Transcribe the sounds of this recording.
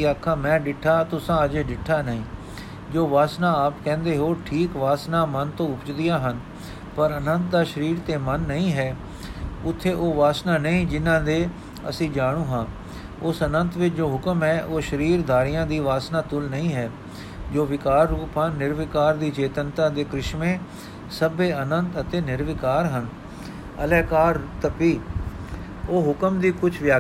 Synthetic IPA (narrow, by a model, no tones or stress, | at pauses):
iaːkʰːãːmɛ̃ːɖɪʈʰːaːt̪ʊsãːəd͡ʒeːɖɪʈʰːaːnəĩː | d͡ʒoːʋaːsnãːaːpkɛ̃ːnd̪eːɦoːʈʰiːkʋaːsnaːmənt̪õːʊpt͡ʃd̪ɪjãːɦən | pəɾənənt̪̚d̪aːʃəɾiːɾt̪eːmənːəĩːɦɛː | ʊt̪ʰːeːʔoːʋaːsnaːnəĩːd͡ʒɪnːãːd̪eː | ə̰sĩːd͡ʒaːɽ̃uːɦãː | ʊsənənt̪ʋɪt͡ʃd͡ʒoːɦʊkəmɦɛːʔoːʃəɾiːɾd̪aːɾɪjãːd̪iːʋaːsnaːt̪ʊlnəĩːɦɛː | d͡ʒoːʋɪkaːɾːuːpãːnɪɾʋɪkaːɾd̪iːt͡ʃeːt̪ənt̪ãːd̪eːkɾɪʃmẽː | səbeːənənt̪ət̪eːnɪɾʋɪkaːɾɦən | əlɛːkaːɾt̪əpiː | oːɦʊkəmd̪iːkʊt͡ʃʰʋjaː